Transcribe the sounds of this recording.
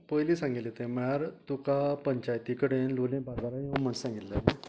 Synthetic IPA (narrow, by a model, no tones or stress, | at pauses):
pəjlisãŋɡit̪let̪ẽməjaɾt̪ukapəɲt͡ɕajt̪ikəɽenlolẽbad̪aɾajĩmənsãŋɡit̪lae